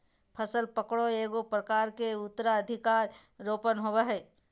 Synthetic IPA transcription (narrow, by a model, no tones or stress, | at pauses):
pʰəsəlpəkɽoeːɡopɾəkaːɾkeʊt̪ːɾaəd̪ʱɪkaːɾːoːpənɦoweɦɛː